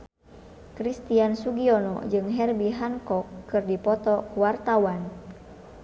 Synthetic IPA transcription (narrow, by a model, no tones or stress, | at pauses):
kɾist̪iansuɡiɔnɔ̰d͡ʒɨŋɦɛrbiɦankɔkːɨrdipɔt̪ɔkuwart̪awan